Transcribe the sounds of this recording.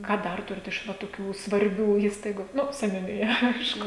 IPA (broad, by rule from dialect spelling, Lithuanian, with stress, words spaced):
ˈkɑː ˈdɐr ˈtʊrʲɪt ɪʃ ˈʋɐ toːˈkʲuː sʋɐrʲˈbʲuː ˈiːstɐɪɡʊ ˈnʊ sʲɛnʲʊnʲɪˈjɛ ˈɐɪʃkʊ